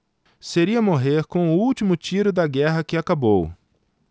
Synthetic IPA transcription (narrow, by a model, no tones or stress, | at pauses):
seɾiɐmoɦeɾkõw̃ʊuwt͡ʃimʊt͡ʃiɾʊd̪ɐɡɛɦɐkɪakabow